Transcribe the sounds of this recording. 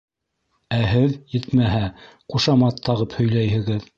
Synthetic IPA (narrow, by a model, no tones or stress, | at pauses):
æɦɘðjɘt̪mæɦæ | quʃɑmɑt̪ʰːɑʁɤphɵ̆jlæjhɘ̆ɡɘð